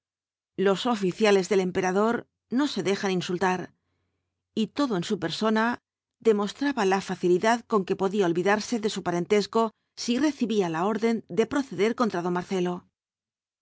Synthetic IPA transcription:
lo̞so̞fiθjale̞zðe̞le̞mpe̞ɾaðo̞ɾ | no̞se̞ðe̞xaninsult̪aɾ | it̪o̞ðo̞e̞nsupe̞ɾso̞na | ðe̞mo̞st̪ɾaβalafaθiliðaðko̞ŋke̞po̞ðiaolβiðaɾse̞ðe̞supaɾe̞nt̪e̞sko̞ | sire̞θiβialao̞ɾðe̞nd̪e̞pɾo̞θe̞ðe̞ɾko̞nt̪ɾaðo̞mːaɾθe̞lo̞

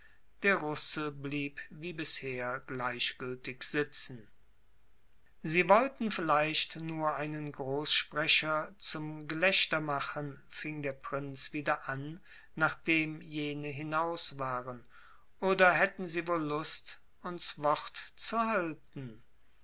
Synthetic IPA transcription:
d̥eːɐʁʊsəbliːpviːbɪsheːɐɡlaɪʃɡ̥ʏltɪkz̥ɪt͡sn̩ | ziːvɔltn̩fɪlaɪʃtnuːɐʔaɪnənɡʁoːsʃpʁ̥ɛɕɐt͡sʊmɡəlɛʃtɐmaχən | fɪŋdeːɐpʁ̥ɪnt͡sv̥iːdɐʔanː | aːχd̥eːmjeːnəɦɪnaʊsv̥aːʁən | ʔoːdɐɦɛtn̩ziːvoːlːʊst | ʔʊnsv̥ɔʁtt͡suhaltn̩

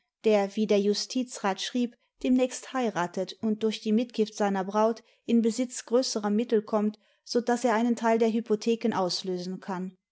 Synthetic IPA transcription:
d̥eːɐviːdeːɐjʊstʰiːt͡sʁaːtʃʁ̥iːp | d̥eːmnɛːçsthaɪʁaːtʰətʊnt̚d̥ʊɐçd̥iːmɪt̚ɡ̥ɪftz̥aɪnɐbʁaʊt | ʔɪnbəzɪt͡sɡ̥ʁøːsəʁɐmɪtl̩kʰɔmt | z̥odaseːɐʔaɪnəntʰaɪldeːɐɦypotʰeːkənʔaʊsløːzn̩kʰan

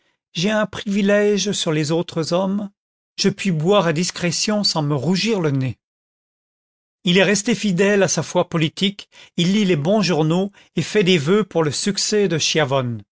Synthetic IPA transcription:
ʒeɛ̃pχivilɛʒsyʁlezot̪χəzɔm | ʒ̥əpɥibwaʁad̪iskχɛsjɔ̃sɑ̃məʁuʒiʁləne | ilɛʁɛst̪efid̪ɛlasafwapɔlit̪ikilːilebɔ̃ʒuʁno | efɛd̪evøpuʁləsyksɛd̪əʃjavɔn

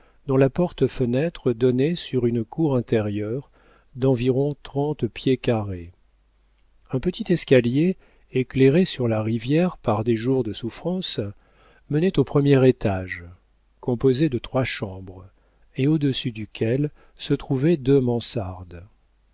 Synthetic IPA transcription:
d̪ɔ̃lapɔʁt̪əfənɛt̪χəd̪ɔnɛsyʁynkuʁɛ̃t̪ɛʁjœʁ | d̪ɑ̃viʁɔ̃t̪χɑ̃t̪pjekaʁe | ɛ̃pət̪it̪ɛskalje | ekleʁesyʁlaʁivjɛʁpaʁd̪eʒuʁd̪əsufχɑ̃s | mənɛt̪opχəmjɛʁet̪aʒ | kɔ̃pozed̪ət̪χwaʃɑ̃bʁ | eod̪əsyd̪ykʲʰɛl | sət̪χuvɛd̪ømɑ̃saʁd̪

